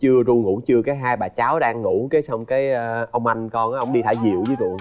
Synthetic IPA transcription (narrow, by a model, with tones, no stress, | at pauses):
t͡ɕɨ˧əzu˧ŋṵ˧˥t͡ɕɨ˧əkaː˨˦jɦaː˧jɓaː˨˩t͡ɕaː˨˦wɗaː˧ŋːu˧˥ke˨˦sɔ˧wŋ͡mkaː˨˦jəː˧ʔə˧wŋ͡mʔa˧jŋ̟kɔ˧nʔːʔə˧˩wŋ͡mɗi˧t̪ʰaː˧˩jzḭ˧˨əwzi˨˦zṵ˧˨